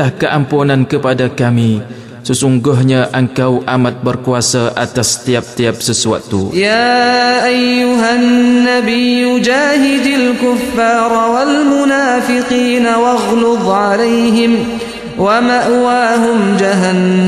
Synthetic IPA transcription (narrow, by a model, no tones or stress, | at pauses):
ahkəʔampunãnkəpadakami | səsuŋɡʊɦɲãʔəŋkawʔamãt̪̚bərkuasaʔat̪ast̪iap̚t̪iap̚səsua̰t̪ːṵjaːʔajːʊɦanːabijːʊd͡ʒaːɦɪd̪alkʊfːɑːɾˤwalmʊnaːfɪqiːnawɑɣlʊðˤʕalajɦɪm | wamaʔwaːɦʊmd͡ʒaɦanː